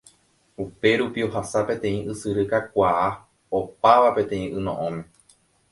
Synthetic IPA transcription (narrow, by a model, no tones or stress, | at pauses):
upe̞ɾupio̞ɦasapẽ̞t̪ẽ̞ĩʔɨsɨɾɨkakʷaa | opaʋapẽ̞t̪ẽ̞ĩʔɨ̃nõ̰ʔõmẽ